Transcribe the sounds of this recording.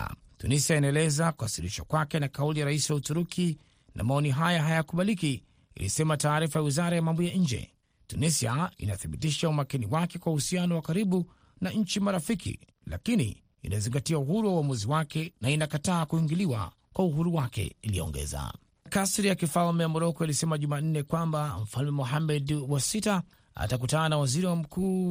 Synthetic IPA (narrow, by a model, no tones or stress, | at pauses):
tunisiainaɛlɛzakuhasiɾiʃa̰kwakɛnakaulijaɾaisiwautuɾukʰi | nʔa̰maɔniɦajaɦajakuɓaliki | ḭlḭsɛmataːɾifajawizaɾajamambɔjaɲ̩d͡ʒɛ̰ | tunisiaḭnaθiɓitiʃaumakiniwakɛkwauhusianɔwakaɾiɓu | naɲ̩t͡ʃimaɾafikḭ | la̰kinḭː | naziŋɡatiauɦuɾuwauwamuziwakɛnainakataːkuiŋɡiliwa̰ | kwauɦuɾuwakɛ̰ilijɔ̰ɔ̰ŋɡɛ̰za̰ | kasɾijakifalmɛjamɔɾɔkɔilisɛmaʄuman̩nɛkwambam̩falmɛmɔɦamːɛdwasita | a̰tak̬utananawaziɾiwam̩kuː